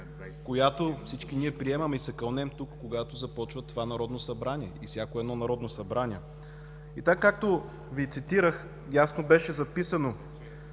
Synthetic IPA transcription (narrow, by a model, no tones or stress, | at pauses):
kojat̪ofsit͡ʃkiniɛpɾiɛmɐmisɛkɐlˠnɛmt̪ukːoɡat̪ozɐpɔt͡ʃvət̪ovanɐɾɔd̪nosɐbɾanʲiɛifsʲjakoɛd̪nɔnɐɾɔd̪nosɐbɾanʲiɛ | it̪akːak̚t̪o | vit̪sit̪iɾəx | jasnobɛʃɛzɐpisɐno